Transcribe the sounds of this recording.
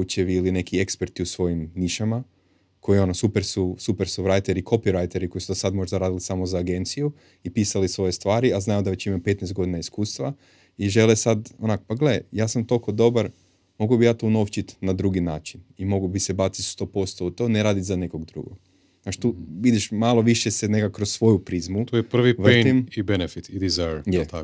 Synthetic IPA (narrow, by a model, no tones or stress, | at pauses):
ut͡ʃeʋiiline̞kie̞kspe̞ɾt̪iusʋo̞jimniʃama | kʰo̞io̞nosupeɾsusupeɾsuɾajt̪eɾikʰo̞piɾajt̪e̞ɾiko̞jisud̪asad̪mo̞ʒd̪aɾaːd̪ilisamozaːɡe̞nt̪siju | ipiːsalisʋo̞jest̪ʋaːɾiaznajud̪aʋe̞t͡ɕimape̞t̪nɛst̪ɡo̞d̪inaiskuːst̪ʋa | iʒe̞lesad̪onakopaɡlejaːsamt̪o̞lko̞d̪o̞baɾ | mo̞ɡuobijaːt̪ono̞ft͡ʃit̪nad̪ɾuɡinaːt͡ʃinimo̞ɡubisebasit̪st̪o̞ːpo̞st̪o̞ut̪o̞neɾaːd̪it̪zane̞ko̞ɡd̪ɾṵɡo̰ɡ̪ | at͡ʃi̥t̪uʋid̪iʃmalo̞ʋiʃjesenekakːɾossʋo̞jupɾizmut̪ojepr̩ʋiʋenimibenefit̪id̪izajɾjet̪a